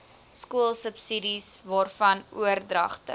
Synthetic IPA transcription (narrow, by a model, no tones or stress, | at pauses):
skuəlˠsəpsidisvɑːrfɐnuərdrɐ̰χtə̰